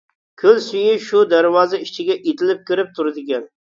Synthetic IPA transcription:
kʲʰølsyjɪʃud̪æɾwɑːzɛit͡ʃʰɪɡʲɛʔet̪ʰɪlɪp̚kʲʰɪɾɪp̚t̪ʰuɾɪd̪ɪɡʲɛn

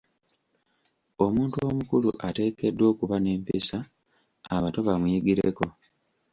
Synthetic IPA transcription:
o̞muːntuo̞mukulṵʔate̞ːke̞dːwo̞ːkuβane̞ːmpisa | aβato̞βamujiɡiɾeko̞

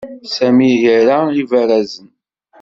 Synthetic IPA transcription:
sæmijəɾaivəɾæzən

